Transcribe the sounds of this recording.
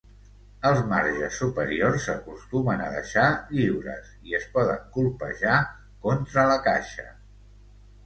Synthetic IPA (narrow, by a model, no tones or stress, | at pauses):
əlˠzmaɾʒəsːupəɾiorsːəkust̪umənə̰ðə̰ʃaʎiwɾə̰siəspɔðə̰ŋkulˠpə̰ʒa | kont̪ɾələkaʃə̰